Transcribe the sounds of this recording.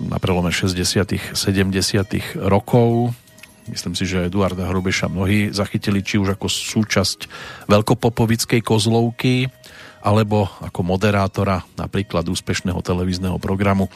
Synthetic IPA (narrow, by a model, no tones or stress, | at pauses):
na̰pɾɛlɔmɛʃɛzɟɛsɪat̪ixsɛɟɛmɟɛsɪat̪ḭɣɾɔkʰɔʊ | mḭsliːmsiʒɛɛd̪uaɾd̪aɦɾɔbɛʃa̰mnɔɦiːzaxicilit͡ʃiuʒakɔsuːt͡ʃascʋɛlkɔpɔpɔʋit͡skɛjkɔzlɔʊkiʔalɛbɔakɔmɔd̪ɛɾaːt̪ɔɾana̰pɾiːklad̪uːspɛʃnɛɦɔ̰t̪ɛlɛʋiːznɛɦɔpɾɔɡɾamu